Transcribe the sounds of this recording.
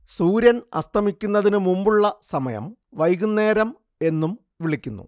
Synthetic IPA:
suːɾjɐnɐ̰st̪ʰɐmikʲːunːɐðinɨmumbuɭːɐsɐmɐjɐ̰mʋɐjɣunːe̞ːɾɐm | e̞nːum | ʋiɭikʲːunːṵ

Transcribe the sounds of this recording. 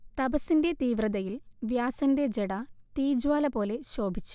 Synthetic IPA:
t̪ɐbɐsinde̞t̪iːʋrɐðɐjilʋjaːsɐnde̞d͡ʑeɽɐt̪iːd͡ʑwaːlɐpo̞ːle̞ɕo̞ːbʱit͡ɕːu̥

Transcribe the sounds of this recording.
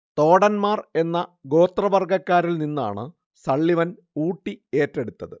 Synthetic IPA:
t̪o̞ːɽɐnmaːre̞nːɐɡo̞ːt̪rɐbɐrɡɐkːaːɾilninːa̰ːɳɨ | sɐɭːiʋɐn | uːʈːie̞ːtːeɽut̪ːɐðɨ

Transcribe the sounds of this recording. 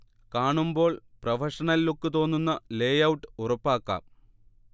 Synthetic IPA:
kaːɳumbo̞ːɭprɐʋɐʂɐɳɐlːukːɨt̪o̞ːnːunːɐleːjɐwuʈːɨ̥urɐpːaːkːa̰ːm

